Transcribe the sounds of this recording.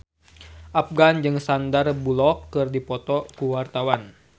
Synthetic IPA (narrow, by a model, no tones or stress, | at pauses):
ʔafɡand͡ʒɨŋsandarbulɔkːɨrdipɔt̪ɔkuwart̪awan